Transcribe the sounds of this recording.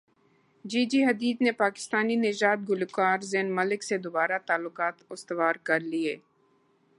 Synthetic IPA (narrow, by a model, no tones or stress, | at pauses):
d͡ʒiːd͡ʒiɦɐd̪iːd̪nepaːkɪ̥st̪aːninɪʒaːd̪̚ɡʊlkaːɾzeːnmɐlɪksed̪obaːɾat̪aːlːʊkaːt̪ʊst̪əʋaːɾkɐɾlieː